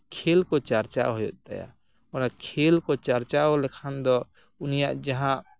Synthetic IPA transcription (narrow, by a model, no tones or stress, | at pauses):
kʰelkot͡ʃəɾt͡ʃa̰ɦojot̪ə̰ja̰ | onakʰelkot͡ʃəɾt͡ʃaɦolekʰand̪ɔ | unijãd͡ʒəɦã